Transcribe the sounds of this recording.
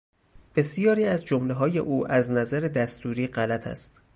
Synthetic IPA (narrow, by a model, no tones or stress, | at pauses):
b̥e̞sijɒːɾiːæzd͡ʒomleɦɒːje̞̰ʔuːʔæznæzæɾed̪æst̪uːɾiːɢælæt̪ʰæ̰st̪